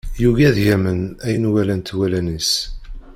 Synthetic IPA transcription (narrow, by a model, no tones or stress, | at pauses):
juʝæðjæmənæjənwælænt̪wælænis